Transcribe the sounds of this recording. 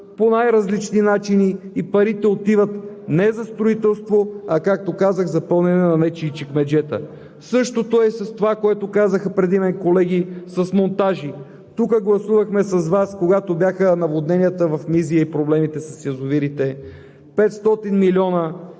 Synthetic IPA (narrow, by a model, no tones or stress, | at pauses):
ponajɾɐzlit͡ʃninat͡ʃiniːpɐɾit̪ɛot̪ivət̪nɛzɐst̪ɾoit̪ɛlˠst̪voɐkak̚t̪okazəxzɐpɤlˠnɛnɛnɐmɛt͡ʃit͡ʃikmɛd͡ʒɛt̪ə̰ | sɤʃt̪ot̪oɛsɐst̪ovakoɛt̪okazəxəpɾɛd̪imɛnkolɛɡ̟isɐsmont̪aʒi | t̪ukəɡlˠɐsuvɐxmɛsɐzvaskoɡat̪objaxənɐvˠod̪nɛnʲijət̪əvɐfmiziəipɾoblɛmit̪ɛsɐsjɐzʊviɾit̪ɛ | pɛt̪st̪ɔt̪inmilʲɔnə